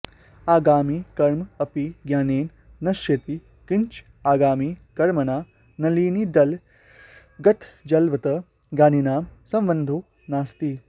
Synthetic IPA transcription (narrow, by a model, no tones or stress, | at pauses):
aːɡaːmiːkɐɾmɐpiɡjaːneːnː | ɐʃjɐt̪i | kɪɲt͡ʃ | aːɡaːmikɐɾmɐnaː | nɐliːnid̪ɐl | ɡɐt̪ʰd͡ʒɐlʋɐt̪ɐ | ɡaːninaːmsɐ̃mʋɐnd̪ʱoː | naːst̪i